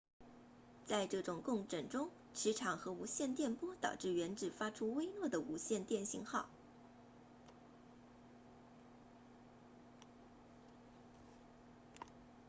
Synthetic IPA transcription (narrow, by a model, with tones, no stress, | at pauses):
t͡sa˥˧ɪʈ͡ʂɤ˥˩ʈ͡ʂʊ˨˩ŋkʊ˥˩ŋʈ͡ʂə˨˩ŋʈ͡ʂʊ˥ŋ | ʈ͡ʂʰɻ̩˧˥ʈ͡ʂʰɑ˨˩ŋxɤ˧˥u˧˥ɕjɛ˥˧nt̪jɛ˥˩npwɔ˥t̪ɑ˨˩ʊʈ͡ʂɻ̩˥˩ɥɛ˧˥nʈ͡ʂɻ̩˨˩fa˥ʈ͡ʂʰu˥we˥ɪlwɔ˥˩d̪ə˩u˧˥ɕjɛ˥˧nt̪jɛ˥˩nɕḭ˧ŋxɑ˥˩ʊ